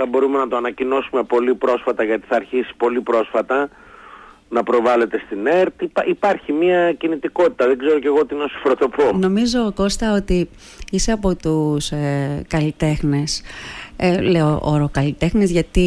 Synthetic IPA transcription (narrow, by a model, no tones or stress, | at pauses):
ɐbo̞ɾume̞nɐt̪oɐnɐcino̞sume̞po̞lipɾo̞sfɐt̪ɐʝɐt̪i̥θɐːɾçisi̥po̞lipɾo̞sfɐt̪ɐ | nɐpɾo̞vɐle̞t̪e̞st̪ine̞ɾt̪ipipɐɾçimiɐcinit̪iko̞t̪i̥t̪ɐðeɡze̞ɾo̞ce̞ɣoot̪inosi̥fɾot̪o̞po̞no̞mizo̞ːko̞st̪ɐo̞t̪i | ise̞ɐpo̞t̪uskɐlit̪e̞xnes | leoʔo̰ɾokɐlit̪e̞xnezʝɐt̪i